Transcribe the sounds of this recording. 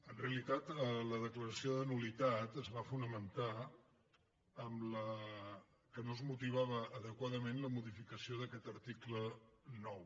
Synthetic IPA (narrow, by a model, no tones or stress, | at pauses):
ənreəlit̪at̪ələðəkləɾəsioðənulit̪at̪əzβafunəmənt̪a | əmlə | kənozmut̪iβ̞aβəːðəkwaðəmenləmuðifikəsioðəkɛt̪əɾt̪iklənɔw